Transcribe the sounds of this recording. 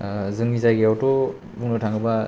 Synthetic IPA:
zɯŋizajɡeawto | buŋnɔtʰaŋɯba

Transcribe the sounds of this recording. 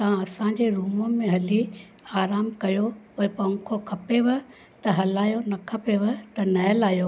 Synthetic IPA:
t̪ɐãɐsãɲ̆d͡ʑeɾuːməmẽɦɐli | aːɾaːmkɐjopoːɪpɐ̃ŋkʰokʰɐpeʋɐ | t̪ɐɦɐlaːjonɐkʰɐpeʋɐt̪ɐnɐɦəlaːjo

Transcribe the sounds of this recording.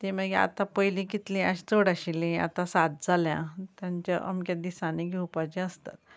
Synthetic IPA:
t̪ĩməɡia̰t̪ãpəjlĩkit̪lĩaɕt͡soɽaɕilĩa̰t̪ãsad̪̚d͡zaljã̰t̪jãɲt͡ɕaʔə̰mkad̪isãniɡʱɛwpat͡ɕeəst̪a̰t̪

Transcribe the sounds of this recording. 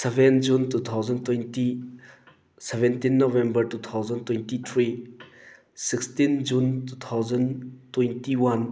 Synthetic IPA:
sebʱend͡ʒuntut̪ʰawzɐntwejnti | sebʱentinːobembɐɾtut̪ʰawzɐntwentit̪ʰɾi | sikstind͡ʒuntut̪ʰawd͡ʒɐntwejntiwan

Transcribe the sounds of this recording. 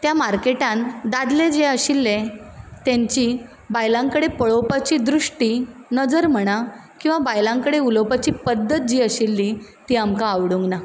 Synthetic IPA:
t̪jamaɾkeʈãnd̪ad̪led͡ʑeəɕilːet̪jãɲt͡ɕiː | bajlãŋkəɽepəɭowpat͡ɕiːd̪ɾuʂʈinəd͡zəɾm̤əɽ̃akĩw̃ʋabajlãŋkəɽeulowpat͡ɕiːpəd̪ːət̪̚d͡ʑiːəɕilːit̪iːamkaːʋɽuŋɡna

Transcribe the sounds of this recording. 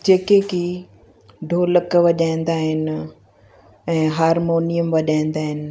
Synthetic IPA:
d͡ʑeːkeki | ɖʱoːləkʋɐʄaːĩn̆d̪aːɦɪnɪ̆ | ɛ̃ːɦaːɾmoːnijəmʋɐʄaːĩnd̪aːɦɪnɪ̆

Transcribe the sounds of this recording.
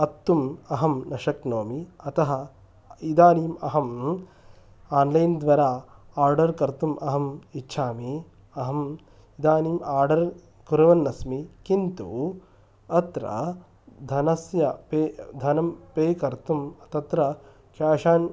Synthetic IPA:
ɐt̪ːumɐɦɐmnɐʃɐknoːmiɐt̪ɐɦɐ̆ | id̪aːniːmɐɦɐm | aːnlɐjnd̪ʋɐɾaːaːɾɖɐɾkɐɾt̪umʔɐɦɐmitːʃʰaːmi | ɐɦɐm | id̪aːniːmaːɾɖɐɾ | kuɾɐʋɐnːɐsmikint̪u | ɐt̪ɾɐ̰ | d̪ʱɐnɐsjɐped̪ʱɐnɐmpeːkɐɾt̪umɐt̪ɐt̪ɾɐ | ʃaːʃaːn

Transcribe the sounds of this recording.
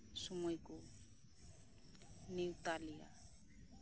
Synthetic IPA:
sʊmwekɔ | neutaliːa̰

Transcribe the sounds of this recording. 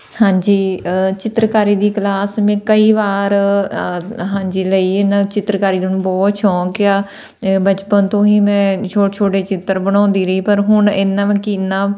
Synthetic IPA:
hãːɲd͡ʒiːt͡ʃɪt̪ɾəkaːɾiːd̪iːklaːsmɛ̃ːkəiːʋaːɾ | ɦãːɲd͡ʒiːləiːɪnãːt͡ʃɪt̪ɾəkaːɾiːd̪nũːbɔːt̪t͡ʃʰɔ̃ːkɪaː | bət͡ʃpənt̪õːiːmɛ̃ːt͡ʃʰoːt͡ʃʰoːʈeːt͡ʃɪt̪ːəɾbəɽ̃ɔ̃ːnd̪iːɾəiːpəɾɦʊɳɪnːãːʋɛ̃kiːnãː

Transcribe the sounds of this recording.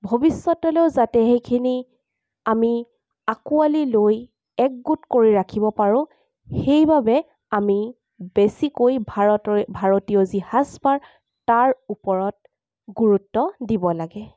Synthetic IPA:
bʱobisːɔtɔleʊzatɛɦejkʰini | ami | akualiloj | ɛk̚ɡutkoɹiɹakʰibɔpaɹʊ̃ | xejbabɛ | ami | besikojbaɔbʱaɹotiɔzihasbaɹ | taɹupɔɹɔt̚ | ɡuɹutːɔdibɔlaɡɛ

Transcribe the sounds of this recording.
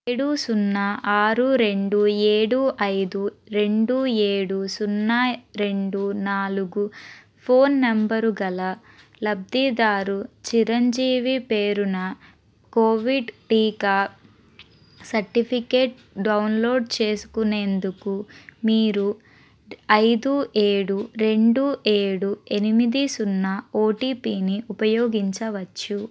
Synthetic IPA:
ɽusunːaʔaːɾuɾe̞ɳɖueːɽuʔɐjd̪uɾe̞ɳɖueːɽusunːaɾe̞ɳɖunaːluɡu | pʰo̞ːnːɐmbɐɾuɡɐlɐ | lɐb̚d̪id̪aːɾut͡ʃiɾɐɲd͡ʒiːʋipe̞ːɾunɐ | koːʋiɖʈiːkaː | sɐɾʈipʰike̞ːʈ | ɖɐwnlo̞ːɖt͡ʃe̞ːsu̥kune̞ːnd̪ukumiːɾu | ɐjd̪uʔe̞ːɽuɾe̞ɳɖuʔe̞ːɽue̞nimid̪isunːɐoːʈiːpiːniʔupɐjoːɡiɲt͡ʃɐʋɐt͡ʃːu

